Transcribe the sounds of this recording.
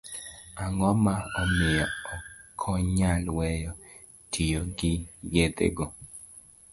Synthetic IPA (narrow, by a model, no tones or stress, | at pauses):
aŋɔmaɔmɪjɔɔkʰɔɲalwɛjɔ | tʰijoɡɪɡed̪ḛɡɔ